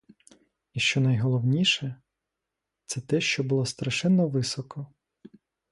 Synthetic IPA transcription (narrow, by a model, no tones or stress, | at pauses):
iʃt͡ʃɔnɐjɦɔlˠɔwnʲiʃɛ | t̪sɛt̪ɛʃt͡ʃɔbʊlˠɔst̪ɾɐʃɛnːɔʋɪsɔkɔ